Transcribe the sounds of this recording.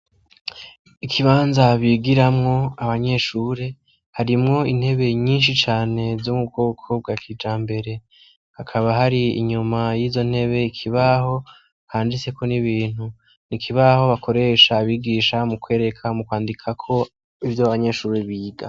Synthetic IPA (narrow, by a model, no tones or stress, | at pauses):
ikʰiβaːnzaβiːɡiɾamŋo̞aβaɲe̞ʃuːɾe̞ | haɾimŋo̞in̥he̞βe̞ɲiːnʃ̬it͡ʃaːne̞zomub̚ɡo̞ːkʰob̚ɡakʰiːd͡ʒaːmbe̞ɾe̞ | hakʰaβaɦaɾiḭɲumajiːzo̞n̥he̞βe̞ikʰiβaho̞ | haːndit͡se̞kʰo̞niβiːn̥hu | nikʰiβaho̞βakʰo̞ɾe̞ːʃaβiːɡiːʃamukwe̞ːɾe̞kʰamukwaːndikʰakʰo̞ | ivjoβaɲe̞ʃuːɾe̞βiːɡa